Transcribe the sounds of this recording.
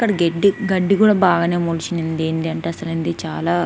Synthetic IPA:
kːɐɽɐɡeɖːiɡɐɖːiɡuːɽaːbaːɡaːne̞ːmuːlt͡ʃinind̪eːnd̪iɐɳʈeːɐsɐlind̪it͡ʃaːlaː

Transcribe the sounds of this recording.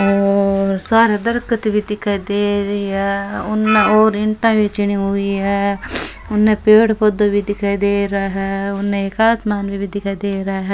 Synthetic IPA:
oːɾsaːɾed̪əɾkət̪bʱid̪ɪkʰːaːid̪eːɾəiɦɛːʊnːeoːɾɪɳʈãːbit͡ʃɪɳ̃iɦʊiːɦɛ | ʊnːẽpeːɽpʰod̪obʱid̪ɪkʰaːjd̪eːɾɦɛʊnːẽekaːsmaːnbʱibid̪ɪkʰaːd̪eːɾɐaɦɛ

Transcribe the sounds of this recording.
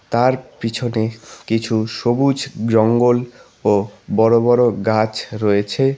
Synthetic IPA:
t̪aɾpit͡ɕʰonekit͡ɕʰuʃobud͡ʑʱd͡ʑɔŋɡol | obɔɾobɔɾoɡat͡ɕɾɔet͡ɕʰe

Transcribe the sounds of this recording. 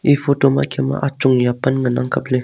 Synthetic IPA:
ifotoma̰kʰema̰ʔat͡ʃuŋjapanŋanaŋkaple

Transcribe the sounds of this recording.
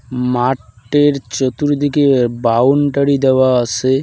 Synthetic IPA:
maʈːeɾt͡ɕot̪uɾd̪ikebawnʈəɽid̪ewaət͡ɕʰe

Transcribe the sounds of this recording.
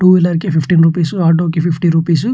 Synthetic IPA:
ʈuːilɐɾkipipʈiːnɾuːpiːsuaːɾɖoːkipʰipʰʈiɾuːpiːs̬u

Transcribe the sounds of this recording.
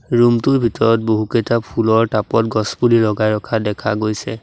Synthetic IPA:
ɹumtʊɹbʱitɔɹɔt̚boɦukejtapʰulɔɹtapɔtɡɔspulilɔɡajɹɔkʰadɛkʰa̰ɡojsɛ

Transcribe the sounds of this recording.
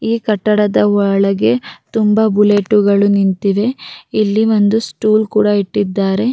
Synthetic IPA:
iːkɐʈːɐɽɐd̪ɐɔɭɐɡe̞t̪umbɐbuleʈuɡɐɭunint̪iʋe̞ilːiʋo̞nd̪usʈuːlkuːɽɐiʈːid̪ːaːɾe̞

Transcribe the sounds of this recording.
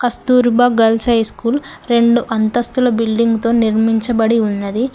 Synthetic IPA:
kɐst̪uːɾbɐɡɐlt͡ʃɐjskuːlɾe̞ɳɖuʔɐnt̪ɐst̪ulɐbilɖiŋɡt̪o̞ːniɾmiɲt͡ʃɐbɐɽiunːɐd̪i

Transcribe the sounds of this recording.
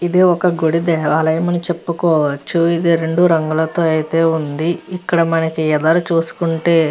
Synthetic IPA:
id̪iɔkɐɡuɽid̪eʋaːɭːɐjɐmɐnit͡ʃepːukɔːʋɐt͡ʃːuid̪iɾe̞ɳɖuɾɐŋɡulɐt̪o̞ːɐjit̪e̞ːund̪iikːɐɽɐmɐnɐkiɛd̪ɐɾɐt͡ʃuːsu̥kuɳʈe̞ː

